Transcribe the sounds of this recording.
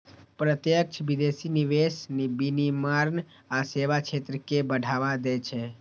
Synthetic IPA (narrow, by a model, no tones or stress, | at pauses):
pɾət̪jək̚t͡ʃʰbid̪esiniʋesnibinimaɾn | aseʋat͡ʃʰet̪ɾəkebəɽʱaʋad̪ɛt͡ʃʰe